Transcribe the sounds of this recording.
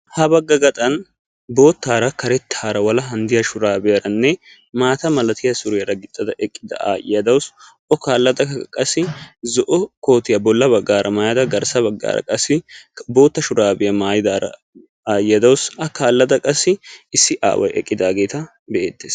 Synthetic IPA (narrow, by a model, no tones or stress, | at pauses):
hɐbɐɡːɐɡɐt̪ʼɐn | bo̞ːt̪ːaːɾɐkɐɾɛt̪ʰːaːɾɐwɐlɐɦɐnd̪ɪjɐʃʊɾaːbɪjɐɾɐnːɛ | maːt̪ɐmɐlɐt̪ɪjɐsʊɾɪjɐɾɐɡɪt̪ʼːɐd̪ɐʔɛkʼːɪd̪ɐ̰a̰ːjjɐd̪ɐwʊs | ʔɔkaːlːɐd̪ɐkʼɐsːɪzɔʔɔko̞ːt̪ɪjɐbɔlːɐbɐɡːaːɾʔɐmajɐd̪ɐɡɐɾsɐbɐɡːa̰ːɾɐ̰kʼɐsːɪbo̞ːt̪ːɐʃʊɾaːbɪjɐmaːjɪd̪aːɾɐ̰ | aːjjɐd̪ɐwʊsɐkaːlːɐd̪ɐkʼɐsːɪɪsːɪʔa̰ːwʔɐ̰jɛ̰kʼːɪd̪aːɡe̞ːt̪ɐ | bɛʔḛːt̪ːeːs